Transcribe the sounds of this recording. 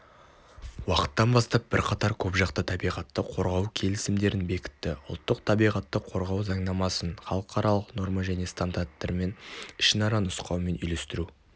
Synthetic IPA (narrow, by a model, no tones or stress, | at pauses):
wɑqə̥t̪ːɑnbɑst̪ɑp̚b̥ɪɾqʰɑt̪ɑɾkʲʰɵpʒɑqt̪ət̪ʰɑbijʁɑt̪ːəqʰo̞ɾʁɑwkʲʰe̞lɪsɪmd̪e̞ɾɪnbe̞kʲɪ̥t̪ːɪʊ̰lˠt̪ːəqt̪ʰɑbijʁɑt̪ːəqʰo̞ɾʁɑwzɑɴnɑmɑsənχɑlˠəqʰɑɾɑlˠəqno̞ɾmɑʒæne̞st̪and̪art̪ːɑɾme̞nɪʃɪnɑɾɑnʊsqɑwme̞nʏjle̞st̪ɪɾu